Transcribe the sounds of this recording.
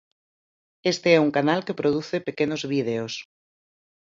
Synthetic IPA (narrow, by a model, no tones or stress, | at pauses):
est̪eɛuŋkanalkepɾoð̞uθepekenozβið̞eos